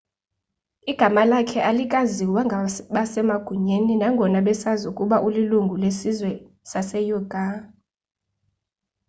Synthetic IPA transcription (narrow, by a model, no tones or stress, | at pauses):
iɡ̥ʱamalakʰɛʔalikʼaziwaɓasɛmaɡ̥ʱuɲeninaŋɡʱɔnaɓɛsazukʼuɓaʔuliluŋɡʱulesizwɛ | sasɛjɔɡ̥ʱa